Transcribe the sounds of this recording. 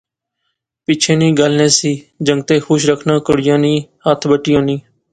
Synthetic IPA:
pɪt͡ʃʰeːnĩːɡəlnẽːsiːd͡ʒə̃ŋɡ̚t̪eːxʊʃɾəkʰnãːkəɽɪjãːnĩːhət̪ʰbəʈiːõːnĩː

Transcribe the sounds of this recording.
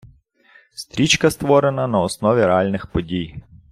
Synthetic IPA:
st̪ʲɾʲit͡ʃkɐst̪ʋɔɾenɐnɐɔsnɔʋʲiɾealʲnɪxpɔdʲij

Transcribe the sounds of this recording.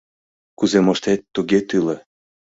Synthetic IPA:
kuzemoʃt̪et̪ːuɣet̪ɯlĕ

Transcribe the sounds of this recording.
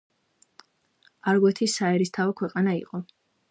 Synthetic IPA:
aɾɡwɛt̪ʰisaɛɾist̪ʰavɛkʰwɛqʼanaḭqʼɔ

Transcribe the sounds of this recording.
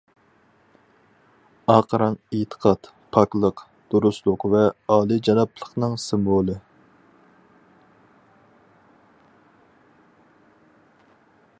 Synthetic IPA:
ɑːqəɾɑŋet̪ʰə̥qʰɑt̪ | pʰɑklˠəq | d̪̥uɾuslˠʊqvɛɑːlˠid͡ʒɑnɑplˠəqnɨŋsɪmbolˠɨ

